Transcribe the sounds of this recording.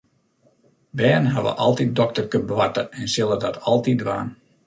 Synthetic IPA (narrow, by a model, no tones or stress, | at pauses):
bɛːnɦaʋə̰ʔɑlˠtit̚dɔk̚tərkønbəʋatəɛnsɪlˠədɔtʰɑlˠtidʋa̰ːn